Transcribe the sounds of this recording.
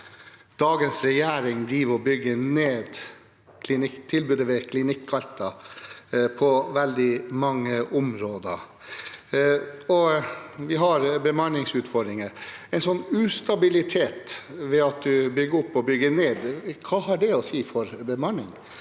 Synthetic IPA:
d̪̥ɑːɡənsɾɛjæːɾɪŋd̪ɾiːʋɾɔbʏɡːəneːd̪ | kʰlɪnɪkt̪ʰɪlbʉːd̪əʋɛkʰlɪnɪkʰːɑlt̪ɑ | pʰɔʋɛld̪ɪmɑŋːəʔʊmɾoːd̪ə̰ | ɔʋɪɦɑɾbəmɑnɪŋsʉːt̪fɔɖ̪ɾɪŋəɛɪnsɔnːʉːst̪ɑbɪlɪt̪ʰeːt̪ʋɛɑt̪̚d̪ʉbʏɡəʊpːɔbʏɡəneːd̪kʰɑːɦɑɖɛɔsiːfɔɾbəmɑɳɪ̰ŋ

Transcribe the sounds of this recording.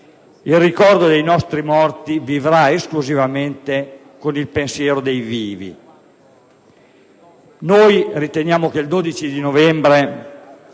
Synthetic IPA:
ilrikɔrd̪od̪ejnɔst̪ɾimɔrt̪ivivɾaeskluzivament̪e | konilpensjɛːɾod̪ejviːvḭ | nojrit̪enjaːmok̟eld̪oːd̪it͡ʃid̪inovɛmbɾe

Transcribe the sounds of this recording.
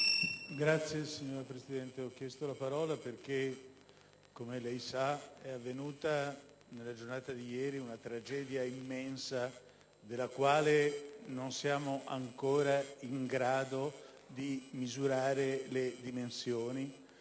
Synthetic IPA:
ɡɾat̪sːjesiɲːoːɾapɾezid̪ɛnt̪eɔkːjɛst̪olapaɾɔːlaperk̟e | kːomelɛjsaɛavːenuːt̪a | nelad͡ʒornaːt̪ad̪ijɛːɾiunat̪ɾad͡ʒɛːd̪jaimːɛnsa | d̪elːakwaːlenonsjaːmoʔaŋkoːɾaiŋɡɾaːd̪o | d̪imizuɾaːɾeled̪imensjoːni

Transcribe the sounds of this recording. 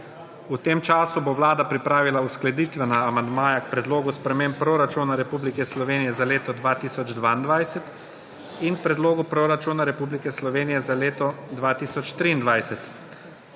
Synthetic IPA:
ut̪eːmt͡ʃaːsuboʋlaːd̪apɾipɾaːʋilausklɛd̪iːt̪ʋɛnaːmand̪maːjakpɾɛd̪loːɡuspɾɛmemppːɾoɾat͡ʃunaɾɛpublikɛslɔʋeːnijɛzaleːt̪ɔd̪ʋaːt̪iːsɔd͡ʒd̪ʋaːind̪ʋajsɛt̪ | iŋkpɾɛd̪loːɡupɾoɾat͡ʃunaɾɛpublikɛslɔʋeːnijɛzaleːt̪ɔd̪ʋaːt̪iːsɔt͡ʃt̪ɾiːnd̪ʋajsɛt̪

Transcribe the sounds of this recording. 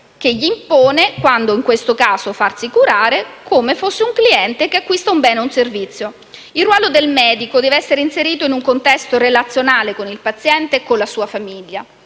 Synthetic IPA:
keʎːiːmpoːnekwand̪oiŋkwest̪okaːzofarsikuɾaːɾekʰomefosːeuŋkliɛnt̪ekeakːwist̪aumbɛːneunservit̪sːjo | ilruwɔːlod̪elmɛːd̪ikod̪ɛːveɛsːeɾeinseɾiːt̪oinuŋkont̪ɛst̪orelat̪sːjonaːlekonilpat̪sːjɛnt̪ekolːasuːafamiʎːa

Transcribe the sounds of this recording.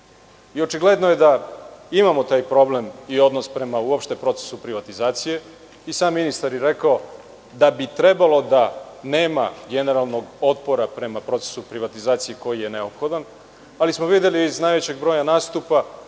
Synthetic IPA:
io̞t͡ʃiɡle̞d̪noje̞d̪aimamo̞t̪aːjpɾo̞ble̞mio̞d̪nospɾe̞mauopʃt̪e̞pɾo̞t̪sesupɾiʋat̪izaːt̪sije̞ | isaːmːinist̪aɾjeɾe̞kao | d̪abit̪ɾe̞balˠo̞d̪ane̞ːma̰ɡe̞ne̞ɾalˠno̞ɡo̞t̪po̞ɾapɾe̞mapɾo̞t̪e̥supɾiʋat̪izaːt̪sijeko̞jije̞ne̞opxo̞d̪an | alismoʋid̪je̞liːznaːjʋe̞t͡ɕe̞ɡbɾo̞ːjanaːst̪upa

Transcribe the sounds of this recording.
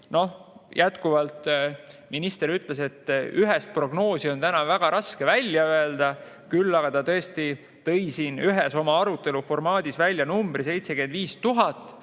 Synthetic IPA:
no̞jæt̪kuvɑlt̪minist̪e̞ɾyt̪ːˑle̞se̞t̪ːyɦɛst̪̚pro̞ɡno̞ːsio̞nt̪ænɑvæɡ̥ɑɾʔɑske̞vælʲjɑøe̞ld̪̥ɑ | kylːɑɡ̥ɑt̪ɑt̪ɤ̞est̪i | t̪ɤ̞jsiːnyɦeso̞mɑɑɾut̪ːˑe̞lufo̞rmɑːd̪̥isvælʲːjɑnumb̥ris̬e̞jt̪se̞ɡend̪viːst̪uɦɑt̪ːˑ

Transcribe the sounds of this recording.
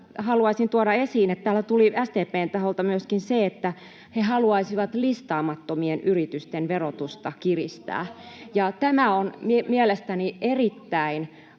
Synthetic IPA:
hɑluɑisint̪uoɾɑesiːnet̪t̪æːlːæt̪uliæst̪eːpeːnt̪ɑholt̪ɑmyøskinseet̪ːæ | hehɑluɑisiʋɑt̪list̪ɑːmɑt̪ːomienʔyrit̪yst̪enʋerot̪ust̪ɑkirist̪æ̰ːjɑt̪æmæonmimielest̪ænierit̪ːæin

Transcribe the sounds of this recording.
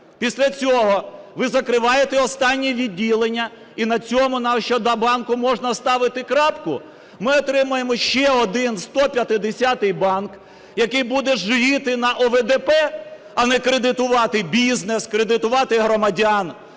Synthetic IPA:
pʲisʲlʲɐt͡sʲɔɦɔʋɪzɐkɾɪʋɑjet̪ɛɔst̪ɑnʲːiʋʲidʲːilˠenʲːɐ | inɐt͡sʲɔmʊnɐʃt͡ʃɔd̪ɐbɑnkʊmɔʒnɐst̪ɑʋɪt̪ɪkɾɑpkʊ | mɪɔt̪ɾɪmʊjemɔʃt͡ʃɛɔd̪ɪnst̪ɔpʲjɐt̪ɪd̪esʲɑt̪ɪjbɑnk | jɐkɪjbud̪ɛʒʋʲit̪ɪnɐʔɔʋed̪epɛ | ɐnɛkɾed̪ɪt̪ʊʋɑt̪ɪbʲizneskɾed̪ɪt̪ʊʋɑt̪ɪɦɾɔmɐdʲaɑn

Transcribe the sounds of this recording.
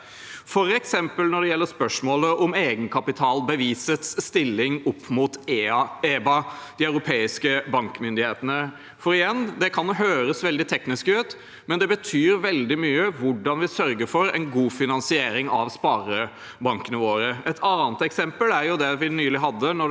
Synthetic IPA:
fɔɾɛksɛmpəlnɔɖɛjɛlːəɾspœʂmoːləʔɔmeːɡənkʰɑpɪt̪ʰɑːlbəʋiːsət̪sːt̪ɪlːɪŋɔpʰːmut̪ː | eːbɑd̪̥iœʉɾʊpʰeːɪskəbɑŋkmʏnd̪ɪheːt̪ənə | fɔɾɪjɛnd̪ɛkʰɑnɦøːɾəsʋɛld̪ɪt̪ʰɛknɪskʉːt̪ | mɛnd̪ɛbət̪ʰyːɾʋɛld̪ɪmyːəʋʊɖɑnʋɪsœɾɡəɾfɔɾɛ̰ɪnɡuːfɪnɑnsɪeːɾɪŋɑʋspɑːɾə | bɑŋkənəʋoːɾəɛt̪ʰɑːnət̪ɛksɛmpəlæɾjʊd̪ɛʋɪnyːlɪɦɑd̪ːənɔ

